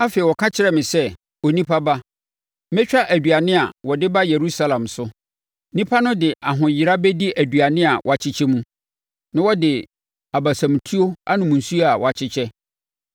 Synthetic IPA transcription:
a˦fe˨i˨wɔ˨kʰã˦t͡ɕʰɪ˦ɾɛ˦mɪ̃˨sɛ˦ | ɔ˨nĩ˦pʰa˦ba˦ | mɛ̃˦t͡ɕᶣa˦ʔæ˨dɥa˨nɪ̃˦a˨wɔ˨dɪ˦ba˦je˨ɾu˦sa˦lã˨msʊ˦ | nĩ˦pʰa˦nʊ̃˦dɪ˨ʔa˨ɦʊ̃˨jɪ˨ɾa˦bɛ˦di˦ʔæ˨dɥa˨nɪ̃˦a˨wɔ˨a˨t͡ɕʰɪ˦t͡ɕʰɛ˦mũ˦ | nã˦wɔ˦dɪ˨ | a˨ba˨sã˨m˨tʰu˦o˦a˦nʊ̃˨mũ˨n̩˨su˦a˨wʔɔ˨a˨t͡ɕʰɪ˦t͡ɕʰɛ˦

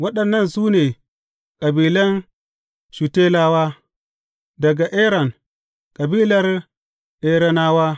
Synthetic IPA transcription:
wɐ˦ɗɐ˨nːɐ˦nsuː˦ne˨ | kʼɐ˨biː˨lɐ˦n | ʃu˨te˦laː˦wa˦ | dɐ˨ɡa˨ʔe˦ɾa˨n | kʼa˨biː˦lɐ˦ɾ | ʔe˦ɾa˦na˦waː˦

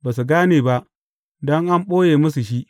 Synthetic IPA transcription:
baː˨s̬u˨ɡaː˦neː˨ba˦ʔ | dɔ˦ŋʔa˦mɓoː˦jeː˨mɐ˦s̬u˨ʃi˦ʔ

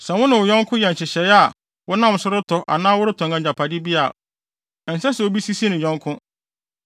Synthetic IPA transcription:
sɛ̃˨wʊ̃˦nɪ̃˨wʊ˨jɔ̃˦ŋ˦kʰʊ̃˦jɛ˨n˨t͡ɕʰɪ˨ɕɛ˨ja˨ | wʊ˦nã˦˨m˨sʊ˦ɾʊ˦tʰɔ˨ʔa̰˨nãː˦wʊ˦ɾɪ˦tʰɔ̃˨ŋɡã˨ɲd͡ʑa˨pʰa˨dɪ˦bi˦a˨ | ɛ˨n̩˨sɛ̃˦sɛ˨o˦bi˦si˦si˦nɪ̃˨jɔ̃˦ŋkʰʊ̃˦

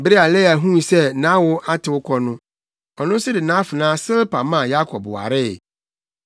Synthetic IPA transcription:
bɾe˦a˨lɛ˦˨a˨ɦũ˦˨sɛ˦nã˦wʊ˦ʔa˦tʰɪ˨wʊ˦kʰɔ˦nʊ̃˦ | ɔ˨nʊ̃˦sɪ˦dɪ˨nã˦fɪ˨nãː˦sɪ˦lpa˨mã˦˨ja˦kʰɔ˨bwa̰˨ɾɪ˦˨

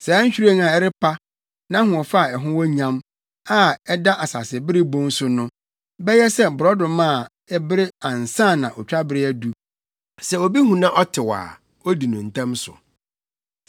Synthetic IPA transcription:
sɛ˨a˦ɲ̩˦ɕᶣɾã˦ŋa˨ɛ˦ɾɪ˦pʰa˦ | nã˦hʊ̃˨ɔ˨fa˦˨ɛ˨ɦʊ̃˦wɔ˦ɲã˦m | a˦ɛ˦da˦ʔa˨sa̰˨sɪ˨bɪ˦ɾɪ˦bɔ̃˦n˦sʊ˦nʊ̃˦ | bɛ˦jɛ˦sɛ˦bʊ˨ɾɔ˦dʊ̃˨mã˦˨ | ɛ˦bɪ˦ɾɪ˦ã˨n˨sã˦˨nã˨ʔɔ˨t͡ɕᶣa˦bɪ˨ɾɪ˦ɛ˦du˨ | sɛ˨o˨bi˦ɦũ˨nã˦ʔɔ˦tʰɪ˨wa̰ː˨ | o˦di˨nʊ̃˨n̩˨tʰã˦msʊ̰˨

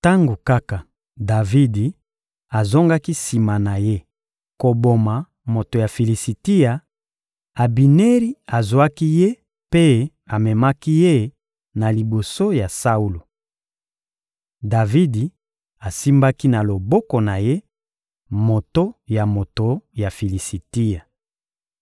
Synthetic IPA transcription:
ta˦ŋɡo˨ka˦ka˨ | da˨vi˦di˨ | a˨zo˦ŋɡa˦ki˦si˨ma˨na˨je˦ | ko˨bo˨ma˨ | mo˨to˨ja˨fi˨li˨si˨ti˦ja˨ | a˨bi˨ne˦ʁi˦a˨zwa˦ki˦je˦ | pe˦ | a˨mɛ˨ma˦ki˦je˦ | na˨li˨bo˨so˦ja˨sa˦u˦lo˨ | da˨vi˦di˨ | a˨si˦mba˦ki˦na˨lo˨bɔ˦ko˨na˨je˦ | mo˨to˦ja˨mo˨to˨˦ja˨fi˨li˨si˨ti˦ja˨

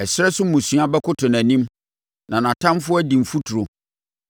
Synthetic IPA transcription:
ɛ˨ɕɪ˦ɾɛ˦sʊ˦mũ˨sɥa˦bɛ˦kʰʊ˦tʰʊ̃˨næ̃˨nĩ˦m | nã˨nã˨tʰã˦mfʊ˦ɔ˦æ˦dĩ˨m̩˨fu˦tʰu˨ɾo˨

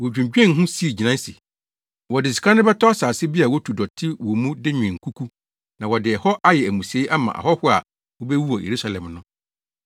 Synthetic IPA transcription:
wɔ˨d͡ʑᶣũ˨d͡ʑᶣɛ̃˦˨n˦ɦʊ̃˦si˦e˨d͡ʑi˨nã˦n˦si˨ | wɔ˨dɪ˨si̥˨kʰã˦nɪ̃˦bɛ˦tʰɔ˦a˦saː˨sɪ˦bi˦a˨wɔ˦tʰu˨dɔ˨tʰɪ˦wɔ˨mũ˦dɪ˦ɲᶣɪ̃˨ŋ̩˨kʰu˦kʰu˦ | nã˨wɔ˨dɪ˨ɛ˨hɔ˦ʔa˦jɛ˨æ˨mũ˨si˨e˨˦ʔa˦mã̰˨ʔa̰˨hɔ˦hʊ˦a̰˨ | wɔ˦bɛ˦wu˦ɔ˨jʔḛ˨ɾu˦sa˦lɛ̃˨mnʊ̃˦

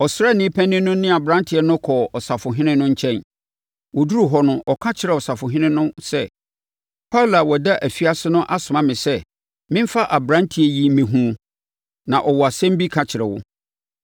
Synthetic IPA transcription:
ɔ˨sɾa˦˨nɪ̃˦pʰæ̃˦nɪ̃˦nʊ̃˦nɪ̃˦a˨bɾã˦ntʰɪ˨˦ɛ˦nʊ̃˦kʰɔ˨ɔ˨sa˨fʊ˨ɦɪ̃˦nɪ̃˦nʊ̃˦ɲ̩˦t͡ɕʰɛ̃˦n | wɔ˨du˦ɾu˦˨ɦɔ˦nʊ̃˦ʔɔ˨kʰa˦t͡ɕʰɪ˨ɾɛ˨ɔ˨sa˨fʊ˨ɦɪ̃˦nɪ̃˦nʊ̃˦sɛ˦ | pʰa˦la˨wɔ˨da˦ʔæ˨fi˦a˦sɪ˦nʊ̃˦ʔa˦sʊ˨mã˦mɪ̃˨sɛ˦ | mɪ̃˦m̩˦fa˦ʔa˨bɾã˦ntʰi˨˦ɛ˨ji˦m̩˦mẽ˨ɦũ˦o˨ | nã˨ʔɔ˨wɔ˨a˨sɛ̃˦m˦bi˦kʰa˦t͡ɕʰɪ˨ɾɛ˨wʊ˦

